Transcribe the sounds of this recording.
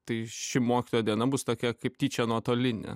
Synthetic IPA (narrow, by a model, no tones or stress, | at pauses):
t̪ɐɪʃʲɪmoːkʲi̥t̪oːjod̪ʲiɛnɐbʊst̪oːkʲɛkɐɪp̚t̪ʲiːt͡ʃʲɛnuɔt̪oːlʲɪnʲɛ̰